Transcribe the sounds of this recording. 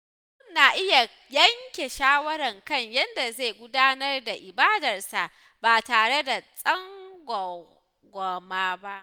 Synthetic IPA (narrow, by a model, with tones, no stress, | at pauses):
sʊ˦nːaː˨ʔɪ˦ja˨ | jɐ˦ŋkʲe˨ʃaː˦wɐ˦ɾɐ˨ŋkɐ˦˨ɲjɐ˦nda˨zeː˦˨ɡʷʊ˦daː˦nɐ˦rda˨ʔɪ˨baː˦dɐ˨rsa˨ʔ | baː˨taː˨ɽe˦da˨sʼɐ˦ŋɡʷ | ɡʷɔ˨maː˦ba˦ʔ